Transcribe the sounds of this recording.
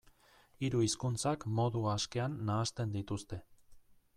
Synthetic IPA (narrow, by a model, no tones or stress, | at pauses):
iɾuiskunt͡sakmo̞ðuaske̞anːaːst̪e̞nd̪it̪ust̪e̞